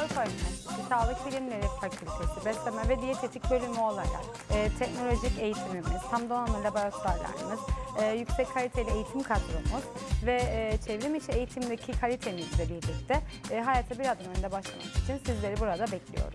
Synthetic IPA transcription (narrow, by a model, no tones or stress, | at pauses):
aɾupʰaymiiisaːlˠɯkbilʲimlʲe̞ɾifacʰylʲt̪ʰe̞sibɛst̪emɛvɛd̪ijet̪ʰe̞t̪ʰicbø̞lʲymyo̞lˠaɾa̰kː | t̪ʰɛcno̞lʲo̞ʒice̞jit̪ʰimimiz̥h̪ʰamd̪onanɯlʲaboɾat̪ʰoɾaɾlʲa̰ɾ̰miz̥ːjycsɛckʰːalʲit̪ʰejilʲɛejit̪ʰimkʰad̪ɾṵmuz̥vɛːt͡ʃʰevɾimit͡ʃʰie̞jit̪ʰimd̪ecʰikʰalʲit̪ʰemizlʲɛbiɾlʲic̚t̪ʰɛːɦajaːt̪ʰabiɾazd̪anø̞nynd̪ɛbaʃlˠa̰ma̰mki̥t͡ʃʰinsizlʲe̞ɾibuɾad̪abɛclʲḭjo̞̰ɾum